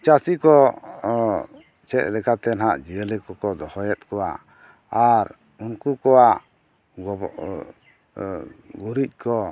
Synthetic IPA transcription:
t͡ʃasikɔ | t͡ʃɛʔ̪̚lɛkat̪ɛnɦaʔd͡ʒiəlikɔkɔd̪ɔhɔjɛt̪̚kɔwa̰ | aɾ | unkukɔwaʔ | ɡuɾic̚ˀkʰɔ

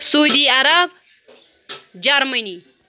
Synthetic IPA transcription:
sud̪iaɾab̚ | d͡ʒɐɾmɐni

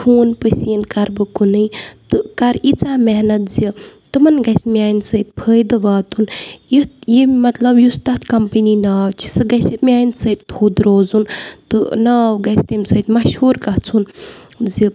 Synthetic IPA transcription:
tʰuːnpɨsiːnkɐɾbɨkunɨjt̪ɨkɐɾit͡saːmeɦnɐt̪̚zit̪ɨmɐnɡɐsʲmʲaːjnsəːt̪̚pʰəːjd̪ɨʋaːt̪unjijimɐt̪lɐbjust̪ɐt̪kɐmpəninaːt͡ʃʰi̥sɨɡɐsimʲaːjnsɨːt̪ʲt̪huːd̪ɾoːzunt̪ɨ̰naːwɡɐst̪imsəːt̪ʲmɐʃhuːɾkɐɦt͡sʰunzi

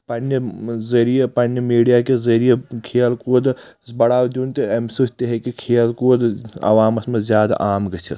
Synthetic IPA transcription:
pɐnːezɐɾijepɐnjemiːɖijakezɐɾijekʰeːlkoːd̪zbɐɽaːwd̪uːnt̪eɐmsuɦt̪eɦekikʰeːlkod̪ɐ̰ʋaːmɐsmezjaːd̪a̰ʔaːmɡɐt͡ʃʰil

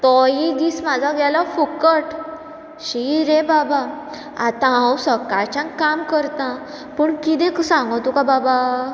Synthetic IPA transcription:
t̪ɔjid̪iːsmad͡zʱaɡjalafukəʈ | ɕiɾebaba | a̰t̪ããwsəkat͡ɕãkkamkəɾt̪ã | pəɳkit̪ẽksãŋɡɔt̪ukababa

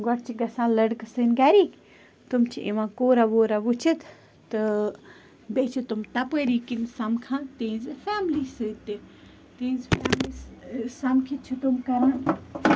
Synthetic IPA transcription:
ɡɔʈt͡ʃʰiɡɐsãːlɐɽksɨnɡaɾiːk | t̪umt͡ʃʰiʔḛʋãkoːɾaʋoːɾaʋut͡ʃʰit̪ | t̪ɨ | bet͡ʃʰit̪umt̪ɐpəɾiːkinsɐmkʰãnt̪ĩːzɨfaːmlisɨt̪e | t̪ĩːzfaːmlissɐmkʰit͡ʃʰit̪umkɐɾãn

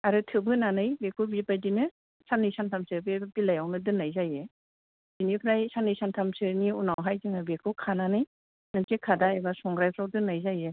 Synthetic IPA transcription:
aɾɯtʰɯbɯnanɯjbekʰubipajdinɯ | sanɯjsʰantʰamsɯbebilajawnɯdɯnːajzaje | z̥inikʰɾajsanɯjsantʰamsɯniunawɦajzɯŋɯbekʰɯkʰananɯj | nɯtekʰadaebasɔŋɡɾajpʰɾawdɯnajzaje

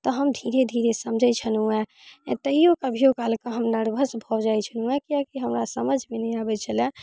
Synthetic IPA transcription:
t̪ɔɦəmd̪ʱiɾed̪ʱiɾesəmd͡ʒʱɛt͡ʃʰənũɛ̃ | t̪əijokəbʱijokalkəɦəmnəɾbʱəsbʱɔd͡ʒajt͡ʃʰənũɛkijakiɦəmɾasəməd͡ʒʱmenɛjabɛt͡ʃʰəlɛ̃

